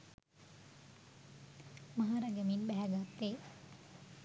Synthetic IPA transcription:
maɦaɾɐɡəminbæɦæɡat̪ːe

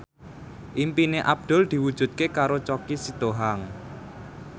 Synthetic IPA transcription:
ʔimpineʔab̚d̪̥ɔ̤ld̪̥i̤wud̥ʒ̥ṳt̪̚kekaɾot͡ʃɔkisid̪̥oɦaŋ

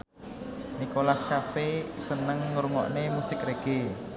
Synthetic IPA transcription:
nikolaskafesənəŋːɾuŋɔ̰ʔnemusɪkɾeɡ̥e

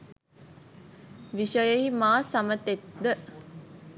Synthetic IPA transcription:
ʋiʃəjəɦimaːsamət̪ek̚d̪ə

